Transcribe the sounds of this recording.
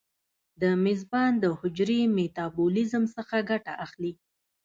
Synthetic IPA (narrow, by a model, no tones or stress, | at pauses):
d̪əmɪzbɑnd̪əhʊd͡ʒɾemet̪ɑbulizəmsəxaɡaʈa̰ʔaxli